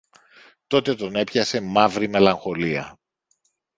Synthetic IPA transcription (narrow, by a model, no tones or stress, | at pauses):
t̪o̞t̪et̪o̞ne̞pçɐse̞mɐvɾime̞lɐŋxo̞liɐ̰